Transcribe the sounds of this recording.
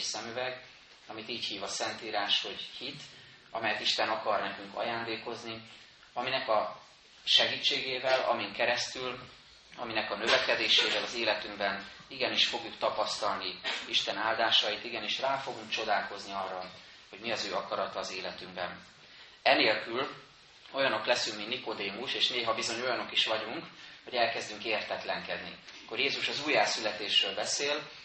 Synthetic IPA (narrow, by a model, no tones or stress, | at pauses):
sɛmøvɛɡ | ɒmit̪iːchiːvɒsɛnt̪iːɾaːʃho̞ɟhit̪ | ɒ̰mɛjɛt̪iʃt̪ɛnɒkɒrnɛkyŋkɒ̰jaːnd̪eːko̞zni | ɒminɛkɒ | ʃɛɡiːt͡ʃːeːɡeːvɛlɒ̰miŋkɛɾɛst̪yl | ɒ̰minɛkɒnø̞vɛkɛd̪eːʃeːvɛlɒzeːlɛt̪yŋɡbɛniɡɛniʃfo̞ɡjukt̪ɒpɒst̪ɒlniiʃt̪ɛnaːld̪aːʃɒjit̪iɡɛniʃraːfo̞ɡuŋkt͡ʃo̞d̪aːlko̞zniɒrːɒl | ho̞ɟmiɒzøːɒkɒɾɒt̪ɒːzeːlɛt̪yŋbɛn | ɛneːlkyl | o̞jɒno̞klɛsyŋkminniko̞d̪eːmuʃeːʃneːɦɒbizo̞ɲo̞jɒno̞kiʃʋɒɟuŋkho̞ɟɛlkɛzd̪yŋkeːrt̪ɛt̪lɛŋkɛd̪nḭkːo̞rjeːzuʃɒzuːjːaːsylɛt̪eːʃrøːlbɛseːl